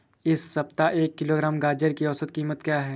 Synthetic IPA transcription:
ɪsːɐp̚t̪aʔeːkːɪloːɡɾaːmɡaːd͡ʒəɾkiɔːsət̪kiːmət̪kjaːɦɛː

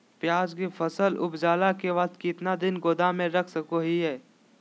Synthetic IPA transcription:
pjaːd͡ʒkefʰəsəlʊ̰bd͡ʒaːlakeʋɐt̪kiɪt̪nad̪ɪnɡoːd̪amẽɾɐkʰsəkoɦiɦɛː

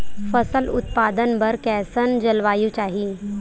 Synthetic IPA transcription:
fəsəlut̪̚pad̪ənbəɾkɛsənd͡ʑəlʋaːjut͡ɕaːɦi

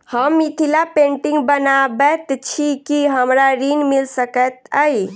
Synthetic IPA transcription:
həmːit̪ʰilapẽɳʈiŋɡbənabɛt̪t͡ʃʰikiɦəmɾaɾinmilsəkət̪əj

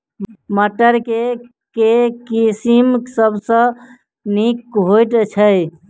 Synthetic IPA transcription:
məʈːəɾke | kekisimsəbʱsə̃ | nikɦojʈ̪t͡ʃʰəj

